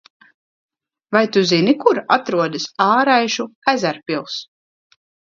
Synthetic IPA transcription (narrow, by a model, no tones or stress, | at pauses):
vajt̪uzinikuɾa̰t̪ɾuɔd̪ɨsaːɾajʃukɛzʲæɾpʲilˠs